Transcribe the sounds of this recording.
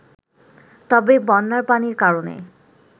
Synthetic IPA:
t̪ɔbebɔnːaɾpaniɾkaɾonḛ

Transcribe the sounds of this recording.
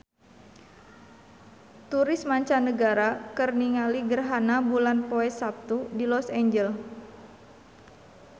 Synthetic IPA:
t̪uɾɪsmaɲt͡ʃanəɡaɾakərniŋaliɡərɦanabulanpoɛsap̚t̪udilɔsɛɲd͡ʒɛl

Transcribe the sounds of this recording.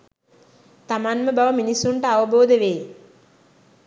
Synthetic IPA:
t̪amanməbaʋəminisːuɳʈəaʋəboːd̪eʋeː

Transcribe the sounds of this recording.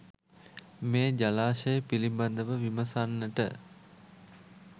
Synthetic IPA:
meːd͡ʒalaːʃəjəpiliband̪əʋəʋiməsanːəʈə̰

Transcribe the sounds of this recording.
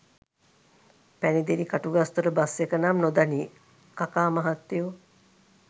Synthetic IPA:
pænid̪eɾikaʈuɡast̪uɾəbasːekənamnod̪aniː | kakaːmaɦat̪ːiju

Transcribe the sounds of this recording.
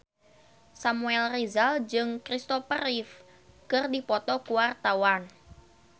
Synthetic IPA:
samuɛlrizald͡ʒɨŋkɾist̪ɔpəɾif | kɨrdipɔt̪ɔkuwart̪awan

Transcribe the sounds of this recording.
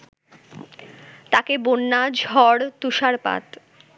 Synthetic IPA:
t̪akebonːad͡ʑʱɔɽt̪uʃaɾpa̰t̪

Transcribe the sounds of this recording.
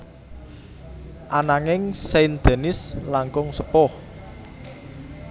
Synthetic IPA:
ʔanaŋɪŋsend̪̥e̤nɪslaŋkʊŋsəpɔh

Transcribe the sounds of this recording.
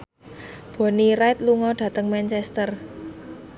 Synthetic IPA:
b̥o̤niraɪt̪̚luŋɔɖ̥ä̤t̪əŋmant͡ʃɛst̪ər

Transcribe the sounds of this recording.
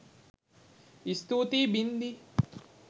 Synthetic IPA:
ist̪uːt̪iːbind̪i

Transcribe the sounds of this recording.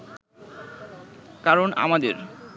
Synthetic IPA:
kaɾona̰mad̪eɾ

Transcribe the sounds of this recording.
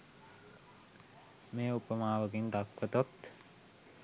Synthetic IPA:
meːupəmaːʋəɡind̪akʋət̪ot̪

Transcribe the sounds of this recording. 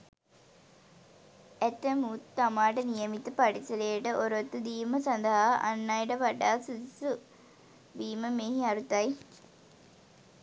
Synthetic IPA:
ɛt̪ːɐmuːt̪ːɐmaːʈɐnijɐmit̪ːɐpɐʈisɐleːʈɐʔoɾot̪ːud̪iːmɐsɐnd̪ɐɦaʔɐ̰nːajʈɐʋɐɖaːsud̪su | ʋiːmɐmeːɦiɐɾut̪ɐj

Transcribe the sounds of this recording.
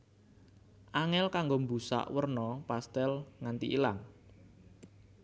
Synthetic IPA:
ʔaŋɛlkaŋɡombusa̰ʔwərnɔpast̪ɛlŋant̪ḭʔilaŋ

